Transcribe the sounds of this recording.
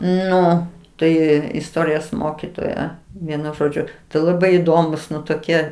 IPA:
ˈnʊ ˈtɐɪ ɪsˈtoːrʲɪjoːs ˈmoːkʲɪtoːjɛ ʋʲiɛˈnʊ ʒoːˈd͡ʒʲʊ tɐɪ lˠɐˈbɐɪ iːˈdoːmuːs ˈnʊ toːˈkʲiɛ

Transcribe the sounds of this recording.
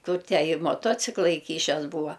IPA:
ˈkʊr ˈtʲæː ɪ moːˈtoːt͡sʲɪklˠɐ ɪˈkʲiːʃʲɛs ˈbuːʋɐ

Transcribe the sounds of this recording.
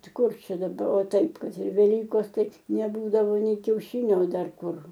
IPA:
ˈtɐɪ ˈkʊr ˈt͡ʃʲɛ dɐˈbɐ oː ˈtɐɪp ˈkɐt ɪr ʋʲɛˈlʲiːkoːs ˈtɐɪ nʲɛˈbuːdɐʋoː ˈnʲɛɪ kʲɛʊʃʲɪnʲoː oː ˈdɐr ˈkʊr

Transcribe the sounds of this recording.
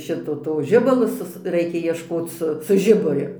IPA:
ˈʃʲɪtoː toː ˈʒʲɪbɐlˠoː ˈsʊs ˈrɐɪkʲɛ iɛʃˈkoːt͡s ˈsʊ sʊ ˈʒʲɪbʊrʲʊ

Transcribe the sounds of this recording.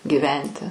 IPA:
ɡʲiːˈʋʲɛnʲtʲɪ

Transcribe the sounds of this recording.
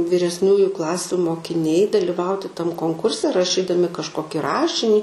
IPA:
ʋʲɪrʲɛsʲˈnʲuːjʊ ˈklˠɑːsʲʊ moːkʲɪˈnʲɛɪ dɐlʲɪˈʋɐʊtʲɪ ˈtɐm koːŋˈkʊrʲsʲɛ rɐʃʲˈiːdɐmʲɪ kɐʃˈkoːkʲɪ ˈrɑːʃʲɪnʲiː

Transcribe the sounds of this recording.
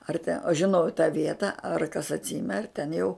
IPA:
ɐr tʲɛ oː ʒʲɪˈnɐʊ ɪ tɑː ˈʋʲiɛtɐ ɐr kɐs ɐtʲˈsʲɪmʲɛ ɐr tʲɛn jɛʊ

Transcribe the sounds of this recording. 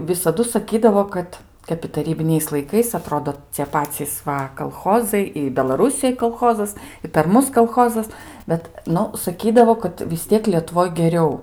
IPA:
ʋʲɪsɐˈdʊ sɐˈkʲiːdɐʋoː ˈkɐt ˈkɐp ɪ tɐˈrʲiːbʲɪnʲɛɪs lˠɐɪˈkɐɪs ɐˈtroːdoː t͡sʲiɛ ˈpɑːt͡sʲiːs ˈʋɐ kɐlˠˈxoːzɐɪ ɪ bʲɛlˠɐˈrʊsʲɪjoːj kɐlˠˈxoːzɐs ɪ pʲɛr ˈmʊs kɐlˠˈxoːzɐs ˈbʲɛt ˈnʊ sɐˈkʲiːdɐʋoː kɐt ʋʲɪs ˈtʲiɛk lʲiɛtʊˈʋoːj ɡʲɛˈrʲɛʊ

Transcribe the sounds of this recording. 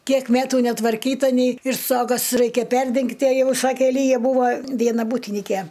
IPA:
ˈkʲiɛk ˈmʲætʊ nʲɛtʋɐrʲˈkʲiːtɐ nʲɛɪ ɪr ˈstoːɡɐs ˈrɐɪkʲɛ ˈpʲɛrʲdʲɛŋktʲɪ ɐ ˈjɛʊ ˈsɑːkʲeː ˈlʲiːjɛ ˈbuːʋoː ˈʋʲiɛnɐ ˈbuːtʲɪnʲɪkʲɛ

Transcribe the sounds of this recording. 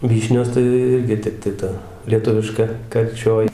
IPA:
ˈʋʲiːʃʲnʲoːs tɐɪ ˈɪrʲɡʲɪ ˈtʲɛp tɐɪ ˈtɐ lʲiɛˈtʊʋʲɪʃkɐ kɐrʲˈt͡ʃʲoːj

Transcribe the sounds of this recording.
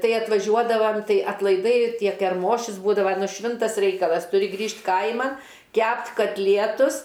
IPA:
ˈtɐɪ ɐtʋɐˈʒʲuɔdɐʋɐm ˈtɐɪ ɐtlˠɐɪˈdɐɪ ˈtʲiɛ kʲɛrˈmoːʃʲʊs ˈbuːdɐʋɐ nʊ ˈʃʲʋʲɪntɐs ˈrʲɛɪkɐlˠɐs tʊˈrʲɪ ˈɡrʲiːʃʲtʲ ˈkɐɪmɐ ˈkʲæpʲtʲ kɐtʲˈlʲiɛtʊs

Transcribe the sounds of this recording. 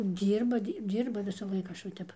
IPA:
ˈdʲiːrbɐ ˈdʲiː ˈdʲiːrbɐ ʋʲɪsɐˈlˠɐɪk ˈɐʃ ʋɐ ˈtʲɛp

